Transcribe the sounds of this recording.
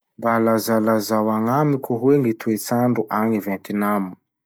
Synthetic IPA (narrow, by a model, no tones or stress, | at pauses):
mbalazalazawaŋamikʲuɦweŋit̪uet͡saɳɖ͡ʐuʔaŋivɛnt̪inamu̥